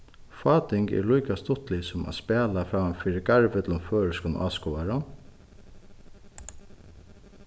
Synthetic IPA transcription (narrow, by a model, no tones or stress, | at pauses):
fɑːt̪ɪŋkɛ̰ɾlujkast̪ʊt̪lɪsɔma̰spɛːlafɾɑːfiːɾɪɡaɹʋət̪ʰl̩ʊmføːɹəskʊn̰ʔa̰ːskɔːaɾan